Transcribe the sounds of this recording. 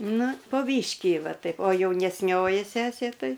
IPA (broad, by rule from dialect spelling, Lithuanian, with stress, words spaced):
ˈnʊ poː ˈbʲiːʃʲkʲiː ˈʋɐ ˈtɐɪp oː jɛʊnʲɛsʲˈnʲoːjɪ ˈsʲæːsʲeː ˈtɐɪ